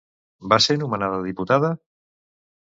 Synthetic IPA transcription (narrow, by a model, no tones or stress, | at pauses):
basenumanaðaðiput̪aða